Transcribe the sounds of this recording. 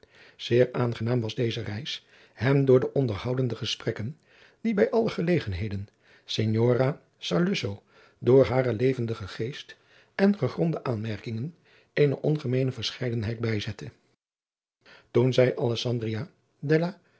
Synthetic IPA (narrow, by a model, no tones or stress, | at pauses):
z̥ɪːɹaːnχənaːmʋɑzdejzərɛjs | hɛmdʊːɹdəʔɔndəɹɦɑwdəndəχəsprɛkən | d̥ibɛjʔɑləχəlejχənɦejdən | seɲoːra | sɑɹløsow | dʊːɹɦaːɾəlejvəndəχəχejst | ɛnχəχrɔndəʔaːnmɛɹkɪŋən | ejnəʔɔnχəmejnəvəɹsχɛjdənɦɛjdbɛjzɛtə | tunzɛjʔɑlɛsɑndria | dɛlaː